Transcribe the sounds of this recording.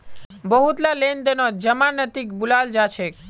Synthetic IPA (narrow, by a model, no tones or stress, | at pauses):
bəɦut̪lalend̪ənod͡ʒəmanət̪ikbulald͡ʒat͡ʃʰek